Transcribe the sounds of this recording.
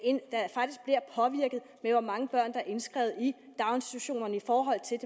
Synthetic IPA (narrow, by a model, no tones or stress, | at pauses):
end̥ɑ̈fɑ̈ɡ̥d̥isɡ̥̚b̥liɐpʰɒ̽ʋiɐɡ̥ð̞̩ˠmeʋɑmɑ̈ŋəb̥ɶɐ̰nd̥ɑ̈æʔe̝nsɡ̥ʁɛ̰ʊð̞̩ˠi | d̥ɑ̈ʊensd̥i̥t͡sʰuɕo̝̰ːnɐnəifɒːɦɒ̽l̰t͡sʰe̝de